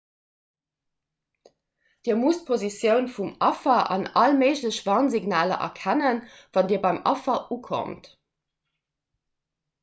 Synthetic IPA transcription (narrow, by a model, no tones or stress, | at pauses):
d̥iːɐmust̚pʰozisjəʊnfumɑfɐʔɑ̰nɑlməɪʑləɕvɑːnziɡnaːlɐ̰ʔɐ̰kʰænən | vɑndiːɐbɑɪmʔɑ̰fɐʔukʰo̰mt